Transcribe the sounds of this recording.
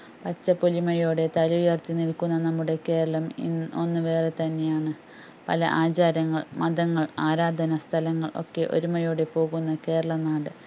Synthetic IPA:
pɐt͡ɕːɐpolimɐjo̞ːɽe̞t̪ɐlujɐrt̪inilkunːɐnɐmːuɽe̞ke̞ːɾɐɭɐmḭo̞̰nːɨʋe̞ːre̞t̪ɐnːe̞jaːɳɨ | pɐ̰lɐ̰ʔaːt͡ɕaːɾɐŋːɐɭmɐd̪ɐŋːɐɭaːɾaːd̪ʱɐnɐst̪ʰɐlɐŋːɐ̰ɭʔo̞̰kːe̞ʔo̞̰ɾumɐjo̞ːɽe̞po̞ːɣunːɐke̞ːɾɐɭɐnaːɽɨ

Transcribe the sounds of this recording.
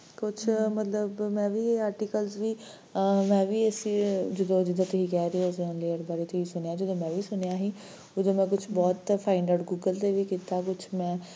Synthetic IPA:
kʊt͡ʃʰmət̪ləbmɛ̃ːʋiːaːɾʈiːkəlzʋiː | mɛ̃ːʋiːəsiːd͡ʒəd̪õːd͡ʒɪd̪ãːt̪eiːkɛːɾeːʊsnleːəɾbaːɾeːt̪eːiːsʊnejaːd͡ʒəd̪õːmɛ̃ːʋiːsʊnejaːɦiː | ʊd̪õːmɛ̃ːkʊt͡ʃʰbɔːt̪pʰaːɪɳɖəɖɡuːɡəlt̪eːʋiːkiːt̪aːkʊt͡ʃʰmɛ̃ː

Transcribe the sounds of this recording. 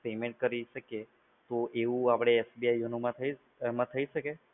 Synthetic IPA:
pimẽɳʈ̚kəɾiʃəke | t̪oʔeʋũapɽ̃eːsbiajonumãt̪ʰəi | mãt̪ʰəiʃəke

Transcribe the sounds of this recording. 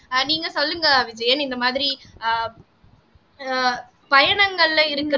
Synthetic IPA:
niːŋɡɐsɔlːɯŋɡɐʋɪd͡ʒɐjɐnɪnd̪ɐmaːðɪɾi | pɐjɐɳɐŋɡɐɭɐɪɾɯkːɯ

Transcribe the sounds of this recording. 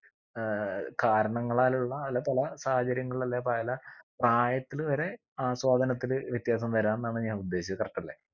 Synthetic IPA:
kaːɾɐɳɐŋːɐɭaːluɭːɐːlːɐpɐlɐsaːhɐt͡ɕɐɾjɐŋːɐɭɐlːepaːlɐpraːjɐt̪ːilʋɐɾe̞ | aːswaːd̪ʱɐnɐt̪ːilʋjɐt̪jaːsɐmt̪ɐɾaːnnːaːɳɨɲaːnud̪ːe̞ːɕikrɐʈːɐlːḛ

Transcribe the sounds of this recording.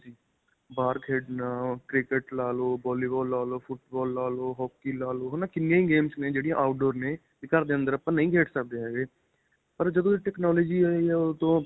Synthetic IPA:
d͡ʒiː | baːɾkɦeɖnãːkɾɪkeʈlaːloːbɔːliːbɔːlːaːloːpʰʊʈbɔːlːaːloːɦɔːkːiːlaːloːɦːnaːkɪnːɪjãːĩːɡeːmsnẽːd͡ʒeːɽijãʔaːʊʈ̚ɖoːɾneː | ɪkaɾd̪eːə̃nd̪əɾəpːãːnəĩːkeːʈʰsək̚d̪eːɦɛːɡeː | pəɾd͡ʒəd̪õːiʈɛːknɔːloːd͡ʒiːɛːiɦɛːʊt̪õː

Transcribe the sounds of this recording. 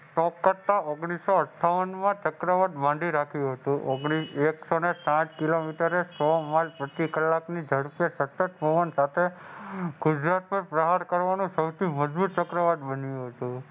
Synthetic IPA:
sɔkkəɾt̪aoɡɽ̃isːoəʈʰːaʋənmãt͡ʃəkɾəʋaɖ̪bãɳɖiɾakʰjũɦət̪ũʔoɡɽieksonesãt͡ʃkilomiʈəɾesɔmalpɾət̪ikəlːaknid͡ʒəɽpjesət̪ːəʈ̪̚poʋənsat̪ʰe | ɡʊd͡ʒɾat̪̚pəpɾəɦaɾkəɾʋanũsəwt̪ʰiməd͡ʒbut̪̚t͡ʃəkɾəʋaɖ̪bənjũɦət̪ũ

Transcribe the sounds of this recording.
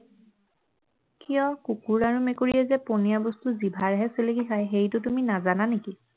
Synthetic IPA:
kijɔkukuɹaɹumekoɹijɛzɛponijabɔstuzibʱaɹɦɛselekixajxejtʊtuminazananeki

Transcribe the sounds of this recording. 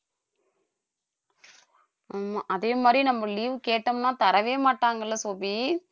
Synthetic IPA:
aːmaʔɐðeːmaːd̪ɾinɐmːɐliːʋɯkeːʈːɐmnãːt̪ɐɾɐʋeːmaːʈːaːŋɡɐɭːɐsoːbi

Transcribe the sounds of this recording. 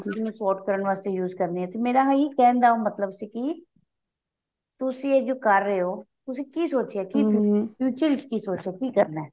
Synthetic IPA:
ɪsnesɔːʈkəɾəɳʋaːst̪ejuːzkəɾneɛ̃ːt̪omeːɾaɦiːkɛ̃ːnd̪aːomət̪ləbsiːki | t̪ʊsied͡ʒoːkəɾːəeɦoː | t̪ʊsĩkiːsoːt͡ʃeɛkiːffʰjuːt͡ʃəlskiːsoːt͡ʃɛːkiːkəɾnaɛː

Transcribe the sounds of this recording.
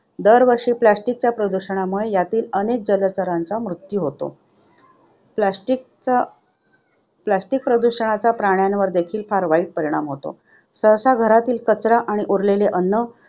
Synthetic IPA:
d̪əɾʋəɾʂiːplasʈik̚t͡ɕjapɾəd̪uɕəɽ̃amuɭejat̪iːlənek̚d͡ʑələt͡səɾant͡samɾut̪juɦot̪o̰ | paʈik̚ | plasʈik̚pɾəd̪uɕəɳ̃at͡sapɾaɽ̃janʋəɾd̪ekʰiːlpaɾʋaiːʈ̚pəɾiɽ̃amɦot̪o̰ | səɦsaɡʱəɾat̪iːlkət͡sɾaʔaɽ̃iʔoɾleleʔənːə

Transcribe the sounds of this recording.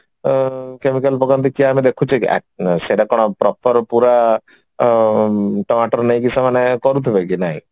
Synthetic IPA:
kemikalpɔɡɔnt̪ikiaːmid̪ekʰut͡ʃʰia̰seʈakɔɽ̃ɔpɾɔpɔɾpuɾa | ʈɔmaʈɔɾnej̃kisamanekɔɾut̪ʰibekinaɦḭ̃

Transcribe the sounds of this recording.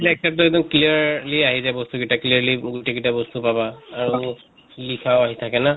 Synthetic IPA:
lɛk̚sap̚tʊɛdɔnkliəɹliaɦizajbɔstuɡitakliliɡuteɡitabɔstupabaːɹu | likʰawaɦitʰakɛna

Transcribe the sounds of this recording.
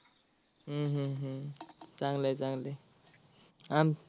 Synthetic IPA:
ɦ̩ɦɦ | t͡saŋlet͡saŋle | am

